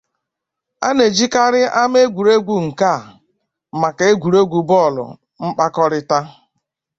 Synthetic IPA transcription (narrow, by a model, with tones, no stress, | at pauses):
a̰˦ne˨d͡ʒi˦ka˦ɾɪ˦ʔa˦m˦e˦ɡʷu˨ɾe˦ɡʷu˨ŋ̩˨ka˦˨ | ma˨ka˨e˦ɡʷu˨ɾe˦ɡʷu˨bɔ˦˨lʊ̰˨ | m̩˦k͡pa˦kɔ˦ɾɪ˦ta˦